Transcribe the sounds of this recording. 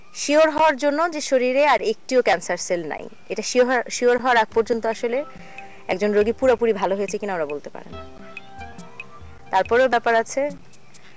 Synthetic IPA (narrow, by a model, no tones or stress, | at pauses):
ʃioɾɦɔoaɾd͡ʑonːod͡ʑeʃoɾiɾeaɾek̚ʈiokɛnsaɾselna̰j | eʈaʃʃioɾɦɔaɾak̚pɔɾd͡ʑont̪oaʃole | ɛ̰kd͡ʑonɾoɡipuɾapuɾibʱaloɦojet͡ɕʰekinaomɾabolt̪epa̰ɾḛni | t̪aɾpɔɾebɛpaɾat͡ɕʰe